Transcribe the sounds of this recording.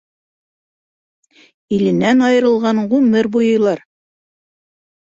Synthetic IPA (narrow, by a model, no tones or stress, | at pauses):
ilɘ̆nænɑjɤ̆ɾɤ̆lˠʁɑɴʁʉmɘɾbujɤ̆jlˠɑɾ